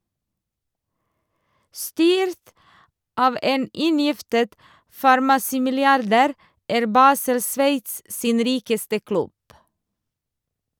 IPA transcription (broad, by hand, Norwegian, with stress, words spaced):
ˈstyːɾt ˈɑːʋ ˈʔeːn ˈʔɪnjɪftət fɑɾmɑˈsiːmɪlɪˌɑɾdæːɾ ˈæːɾ ˈbɑːsəl ˈsʋeɪts ˈsiːn ˈɾiːkəstə ˈklʉb